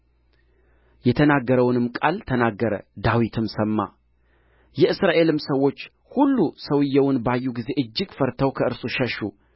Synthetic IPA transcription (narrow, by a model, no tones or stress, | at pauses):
jɛt̪ʰənaɡːəɾəwnɨmːkʼalt̪ʰənaɡːəɾə̰d̪awit̪ʰɨmsəmːa̰ | jɛʔɨsɾaʔe̞lɨmsəwːo̞t͡ʃː | hulːusəwɨjːɛwʊnbajːuɡize̞ʔɨd͡ʒːɪɡfəɾt̪ʰəwkʰəɨɾsuʃɛʃːu